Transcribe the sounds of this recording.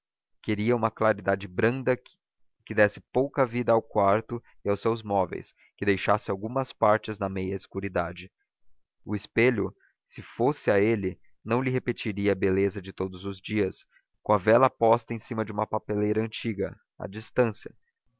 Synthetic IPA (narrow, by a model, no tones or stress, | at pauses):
keɾiɐũmɐklaɾid̪ad͡ʒɪbɾɐ̃nd̪ɐ | kɪd̪ɛsɪpowkɐvid̪ɐawkwaɾt̪ʊ | ɪawsewzmɔvḛjs | kɪd̪ejʃasɪawɡũmɐspaɾt͡ʃɪznɐmejɐɪskuɾid̪ad͡ʒɪ | ʊɪspeʎʊ | sɪfosɪaelɪ | nɐ̃w̃lɪɦepet͡ʃiɾiɐːbelezɐd͡ʒɪt̪od̪ʊzʊzd͡ʒiɐs | kõɐvɛlɐpɔst̪ɐẽsĩmɐd͡ʒɪũmɐpapelejɾɐɐ̃t͡ʃiɡɐ̰ | a̰d͡ʒist̪ɐ̃sjɐ